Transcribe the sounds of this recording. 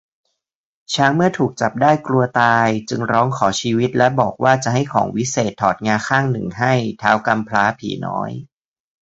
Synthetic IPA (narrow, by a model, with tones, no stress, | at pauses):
t͡ɕʰaː˦˥ŋmɯ˥˩ət̪ʰuː˨˩k̚t͡ɕa˨˩p̚daː˥˩jklu˧ɐt̪aː˧jt͡ɕɯ˧ŋɾɔː˦˥ŋkʰɔː˩˦t͡ɕʰiː˧wi˦˥t̪̚lɛ˦˥bɔː˨˩k̚waː˥˩t͡ɕa˨˩ɦa˥˩jkʰɔ̰ː˩˦ŋwi˦˥seː˨˩t̪ʰːɔː˨˩t̪̚ŋaː˧kʰaː˥˩ŋnɯ˨˩ŋɦa˥˩jt̪ʰaː˦˥wka˧mpʰlaː˦˥pʰḭː˨˩˦nɔ̰ː˦˥j